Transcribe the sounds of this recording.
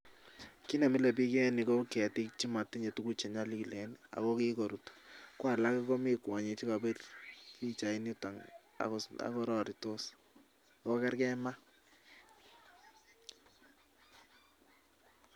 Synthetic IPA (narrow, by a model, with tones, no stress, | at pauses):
ki˦na˨mi˦lɛ˨p̬i˦kɛ˦ni˨ko˦kɛ˨tɪ˦kt͡ʃi˦ma˨tːi˦ɲe˨tu˦ku˦t͡ʃe˨ɲa˦li˦ki˨lɛ˨nia̰˨kɔ˦ki˦ko˨ɾu˨tkwa˨la˦kiko˦mi˦kwa˨ɲe˨t͡ʃi˦ka˨be˦rki˦t͡ʃa˨i˦ni˦ta˨ŋ | a̰˨kɔa̰˨kɔ˦ɾɔ˦ɾito˦s | a˨kɔ˦kɛ˦rkɛ˦ma˦